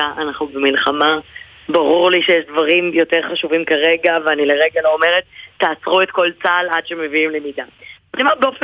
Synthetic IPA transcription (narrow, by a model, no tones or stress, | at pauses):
aʔanaχnubemilχama | baʁuʁliʃejeʃdvaʁimjo̞te̞ʁχaʃuvimkaʁe̞ɡaveanileʁeɡalo̞ome̞ʁet̪ːaːsʁue̞t̪̚kolt͡saːlad̥ʃeme̞viimlemidaat̪omabeofe